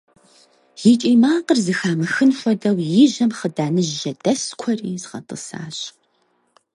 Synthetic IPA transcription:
jit͡ʃʼiːmaːqərzɨxaːmɐxɨnfʷɔdɐwjɪʑɐmχədaːnɨʒːɐdɐskʷʰɔriːzʁɐ̰tʼɨ̰sa̰ːɕʼ

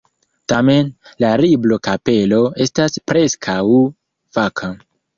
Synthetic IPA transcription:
tame̞nlaɾiblo̞kape̞lo̞e̞staspɾe̞skʰaw | v̥akʰa

